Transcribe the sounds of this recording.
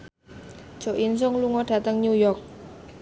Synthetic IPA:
d̥ʒ̥o̤ʔins̬ʊŋluŋɔɖ̥ä̤t̪əŋɲujɔrk̚

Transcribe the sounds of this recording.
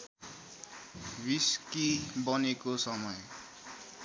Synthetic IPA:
biskibʌnekosʌmʌj

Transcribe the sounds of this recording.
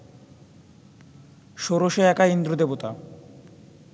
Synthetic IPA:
ʃoɾoʃeɛkaind̪ɾod̪ebot̪a

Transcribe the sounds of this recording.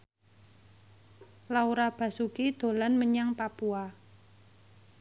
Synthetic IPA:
lauɾab̥a̤sukid̪̥o̤lanməɲaŋpapua

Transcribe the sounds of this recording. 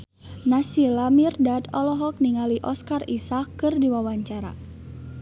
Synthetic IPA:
nasilamirdad̪ɔlɔɦɔk̚niŋaliʔɔskarisakːɨrdiwawaɲt͡ʃaɾa̰

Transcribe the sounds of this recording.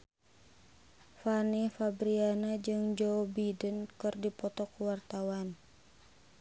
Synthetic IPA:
fanifabɾianad͡ʒɨŋd͡ʒɔbidənkɨrdipɔt̪ɔkuwart̪awan

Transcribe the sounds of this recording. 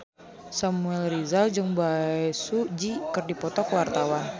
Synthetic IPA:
samuɛlɾizald͡ʒəŋbajsud͡ʒikərdipɔt̪ɔkwart̪awan

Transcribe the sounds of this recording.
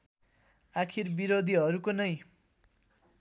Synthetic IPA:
akʰirbiɾod̪ʱiɦʌɾukonʌj

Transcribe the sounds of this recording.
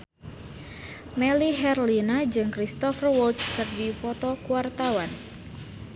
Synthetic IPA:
mɛliɦɛrlinad͡ʒɨŋkɾist̪ɔfərwult̪skɨrɡipɔt̪ɔkuwart̪awan

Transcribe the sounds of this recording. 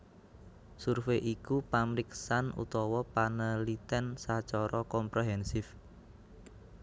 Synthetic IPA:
surfeʔikupamɾiksanṵt̪ɔwɔpanəlit̪ɛnsat͡ʃɔɾɔkɔmpɾeɦɛnsɪf

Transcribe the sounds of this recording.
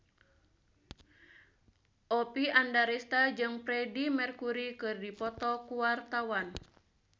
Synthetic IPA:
ʔɔpiandaɾɛst̪ad͡ʒɨŋpɾɛdimɛrkuɾikɨrdipɔt̪ɔkuwart̪awan

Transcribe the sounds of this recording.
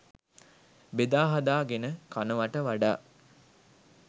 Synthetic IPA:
bed̪aːɦad̪aːɡenəkanəʋaʈəʋaɖa̰ː

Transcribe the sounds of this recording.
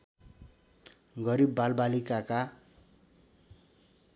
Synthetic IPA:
ɡʌɾibːalbalikaka

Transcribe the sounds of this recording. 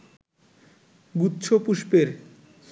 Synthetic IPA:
butːɕʰopuʃpeɾ

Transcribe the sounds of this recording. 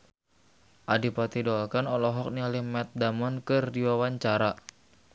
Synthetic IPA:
ʔadipat̪idɔlkanɔlɔɦɔk̚nialihmɛt̪̚damɔnkɨrdiwawaɲt͡ʃaɾa

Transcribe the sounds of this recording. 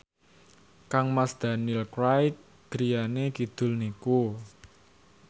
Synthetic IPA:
kaŋmasd̪̥a̤nilkɾajk̚ | ɡ̥ɾijanekid̪̥ʊ̤lniku

